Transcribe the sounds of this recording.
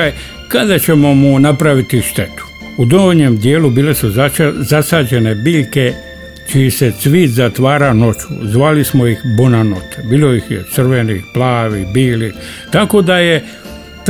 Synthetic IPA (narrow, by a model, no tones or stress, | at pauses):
kad̪at͡ɕe̞mo̞munapɾaʋit̪iʃt̪e̞t̪u̥ | ud̪ooɲemd̪jeːlubiːle̞suzasaːd͡ʑe̞ne̞biːʎke̞ | t͡ʃijesesʋiːt̪zat̪ʋaːɾano̞t͡ʃu̥̰zʋaːlismojixbonanot̪ʰebiːlojixjḛt̪sr̩ʋeniplaːʋibiːlit̪ako̞d̪aje | t̪